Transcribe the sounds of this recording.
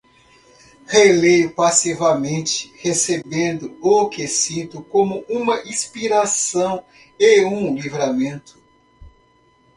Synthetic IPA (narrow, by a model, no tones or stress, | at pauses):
helejʊpasivɐmẽnt͡ʃɪ̥hesebẽnd̪ʊʊkesĩt̪ʊkõmʊʔũmɐʔĩspiɾasɐ̃w̃ | eũlivɾamẽnt̪ʊ̥